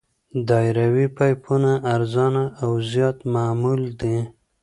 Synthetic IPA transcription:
d̪ɑjɾawipajpʰunaʔːɾzɑnaːwzjɑt̪mamuld̪i

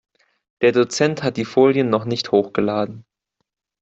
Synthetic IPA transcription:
d̥eːɐdot͡sɛnthat̚d̥iːfoːljənːɔχnɪçthoːxɡ̥əlaːdn̩

